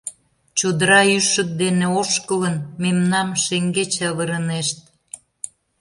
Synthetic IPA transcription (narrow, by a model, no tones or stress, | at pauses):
t͡ɕod̪əɾɑyʃə̆k̚d̪eneoʃkələnmemnɑmʃeŋɡet͡ɕβəɾəneʃt̪̚